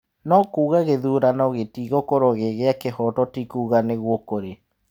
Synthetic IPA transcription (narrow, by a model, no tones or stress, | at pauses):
nɔkuːɣaɣeðuɾanɔɣetiɣokoɾɔɣeɣeakehɔtɔtikuːɣaneɣwokoɾe